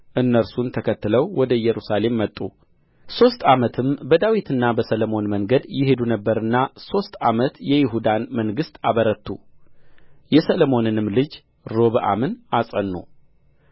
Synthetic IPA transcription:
ʔɨnːəɾsunt̪ʰəkʰət̪ːɨləwwɔd̪əjɛɾusale̞mːət̪ʼːu | so̞st̪ʼamət̪ʰɨmbəd̪awit̪ʰɨnːabəsəlomo̞nməŋɡəd̪jɪɦe̞d̪unəbːəɾɨnːaso̞st̪ʼamət̪jɛjɪɦud̪anməŋɡɨst̪aβəɾət̪ːu | jɛsəlomo̞nɨnɨmlɨd͡ʒ | ɾo̞βɨʔa̰mɨnasʼənːṵ

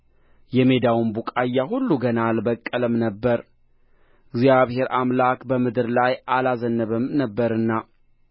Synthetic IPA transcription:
jɛme̞d̪awunbukʼajːaɦulːuɡənalbəkʼːələmnəbːəɾ | ɪɡzjaβhe̞ɾamlakbəmɨd̪ɨɾlajʔalazənːəβɨmnəbːəɾɨnːa

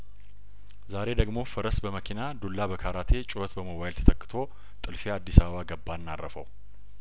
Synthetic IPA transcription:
zaɾe̞d̪əɡmo̞fəɾəsbəməkʰinad̪olːabəkʰaɾat̪ʰe̞t͡ʃʼʊət̪bəmoβajlt̪ʰə̥t̪ʰəkːɨ̥t̪ʰo̞ | t̪ʼɨlfead̪ːisaβəβaɡəbːanːarːəfə̰w

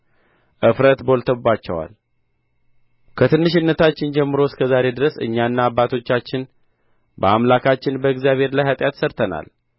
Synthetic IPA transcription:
ʔɨfɾət̪bo̞lt̪ʰəbbat͡ʃːɛwa̰l | kʰət̪ʰɨnːɨʃ̬ɪnːət̪ʰat͡ʃːɪnd͡ʒɛmːɨɾo̞skʰəzaɾe̞d̪ɨɾəsɨ̰ɲːanːaːbːat̪ʰo̞t͡ʃːat͡ʃːɪn | bəamlakʰat͡ʃːɪnbəɡzjaβhe̞ɾlajhat̪ʼjat̪səɾt̪ʰəna̰l

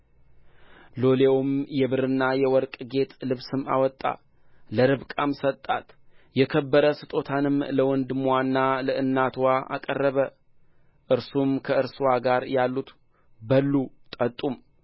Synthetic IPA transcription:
lo̞lewmjɛβɨɾɨnːajɛwɔɾkʼɡe̞t̪ʰʼlɨβsɨma̰wɔt̪ʼːa̰ | ləɾɨβkʼamsət̪ʼːa̰t̪jɛkʰəbːəɾəsɨt̪ʼo̞t̪ʰanɨmləwɔnd̪ɨmwanːaləɨnːat̪ʰwaʔa̰kʼərːəβə | ʔɨɾsumkʰəɨɾswaɡaɾjalːut̪ | bəlːut̪ʼət̪ʼum

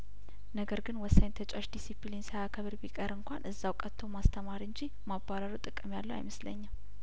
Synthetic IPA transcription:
nəɡəɾɡɨnwɔsːajnt̪ʰət͡ʃʼaʃd̪isiplinsajakʰəβɨɾbikʼəɾɨŋkʷʰanʔɨzːawkʼət̪ʰːəwmast̪ʰəmaɾɨɲd͡ʒi | mabaɾaɾəwt̪ʼɨkʼɨmjalːəwa̰jməslə̰ɲːam

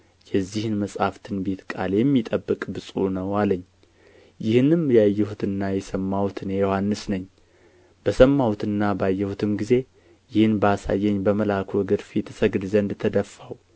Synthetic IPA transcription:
jɛzːihɨnməsʼhaft̪ʰɨnbe̞t̪kʼa̰ljɛmːit̪ʼəbːɨkʼbɨsʼunəwaləɲː | jɪhnɨmjajːɛhut̪ʰɨnnːajɛsəmːawt̪ʰɨnejohanːɨsnəɲː | b̥əsəmːawt̪ʰɨnːabajːɛhut̪ʰɨmɡize̞ | jɪhɨnbəasa̰jːɛɲːbəməlakʰoɡɨɾfit̪ʰɨsəɡd̪zənd̪t̪ʰəd̪əfːaw

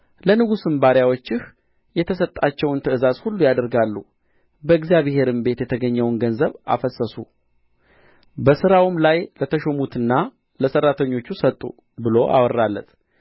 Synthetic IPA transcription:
lənɨɡusɨmbaɾjawo̞t͡ʃːɪh | jɛt̪ʰəsət̪ʼːat͡ʃːɛwnt̪ʰɨɨzazhulːujad̪əɾɡalːu | bəɨɡzijaβhe̞ɾɨmbe̞t̪jɛt̪ʰəɡəɲːɛwnɡənzəβa̰fəsəsu | bəsɨɾawumlajlət̪ʰəʃomut̪ʰɨnːa | ləsərːat̪ʰəɲːo̞t͡ʃːusət̪ʼːṵ | bɨlo̞ʔa̰wɔrːalːə̰t̪ʰ

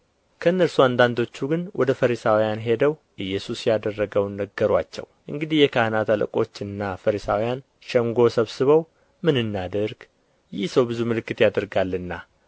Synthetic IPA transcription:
kʰəɨnːəɾsuand̪and̪o̞t͡ʃːuɡɨnwʔɔd̪əfəɾisawijanɦe̞d̪əwʔɨjːɛsusjad̪ərːəɡəwnəɡːəɾwat͡ʃːɛ̰wʔɨŋɡɨd̪ihjɛkʰahɨnat̪alə̰kʼo̞t͡ʃːɨnːafəɾisawijan | ʃɛŋɡo̞səβsɨβəw | mɨnɨnːad̪əɾɡ | jɪhsəwbɨzumɨlɨkːɨt̪jad̪əɾɡalːɨnːa

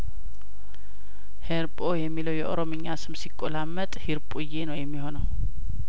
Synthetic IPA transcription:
heɾpʼojɛmːiləwjɛʔoɾomɨɲːasɨmsikʼːolamːət̪ʼhiɾpʼujːenəwjɛmːiho̞nəw

